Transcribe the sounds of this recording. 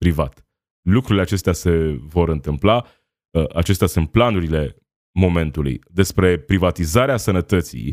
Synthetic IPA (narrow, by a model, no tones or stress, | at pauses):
pɾivat̪ | lukɾuɾileat͡ʃe̞st̪ease̞vo̞ɾɨnt̪ɨmpla | əʔat͡ʃe̞st̪easunt̪̚planuɾile̞ | mo̞me̞nt̪ulṵjd̪e̞spɾe̞pɾivat̪izaɾeasənət̪ət̪sḭj